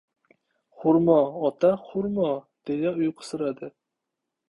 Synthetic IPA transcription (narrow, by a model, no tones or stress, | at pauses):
χʊɾmɒɒt̪ʰaχʊɾmɒ | d̪̥ejaʊjqʰɨ̥sɨɾad̪ɪ